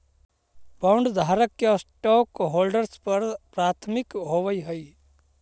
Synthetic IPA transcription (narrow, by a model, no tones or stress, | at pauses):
baʊɳɖd̪ʱaːɾəkːesʈɔːkɦoːlɖəɾspəɾpɾaːt̪ʰmɪkɦoʋəiɦəi